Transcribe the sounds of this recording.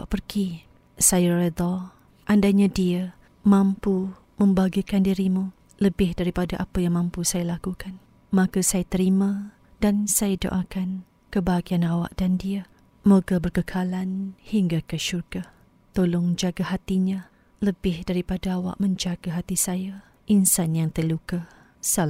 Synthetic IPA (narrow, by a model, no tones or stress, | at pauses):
awa̰ʔpərɡi | sajarəd̪ɔ | ʔandaɲãdiə | mãmpu | mə̃mbaɡikandiɾimu | ləbɪhdaɾipadaʔapajaŋmãmpusajalakukan | makasajat̪əɾimã | dansajədo̰ʔakan | kəbaɦaɡianawa̰ʔdandiə | moɡabərkəkʰalanhiŋɡakəʃurɡah | t̪olɔŋd͡ʒaɡaɦat̪iɲa | ləbɪhdaɾipadaawa̰ʔmə̃ɲd͡ʒaɡaɦat̪isaja | ʔinsanjaŋt̪ərlukah | sal